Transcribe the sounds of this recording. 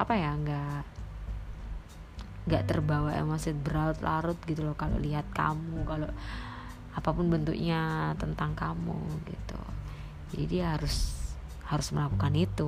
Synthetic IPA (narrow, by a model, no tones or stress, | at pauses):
ʔapajaŋɡaʔ | ŋɡaʔt̪ərbawa̰masɪt̪̚bəɾaɾʊt̪̚lʔa̰ɾʊt̪̚ɡit̪ulɔhkalo̰ʔliɦat̪̚ka̰mukaloʔ | apapʊnbənt̪ṵkɲat̪ənt̪aŋkamṵɡḭt̪ṵ | d͡ʒadiɦaɾʊs | haɾʊsməlakukanit̪u